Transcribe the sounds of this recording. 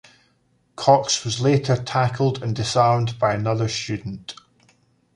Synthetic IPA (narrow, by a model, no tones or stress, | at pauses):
kʰɔkswɒzlˠeʔə˞tʰakʰəl̩ˠdə̃ndɪsaɹmdbaɪənʌðə˞st͡ʃʉdⁿn̩ʔ